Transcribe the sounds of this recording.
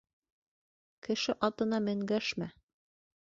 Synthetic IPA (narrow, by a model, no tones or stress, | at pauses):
kɘ̆ʃɘʔɑt̪ɤ̆nɑmɘ̆ŋɡæʃmæ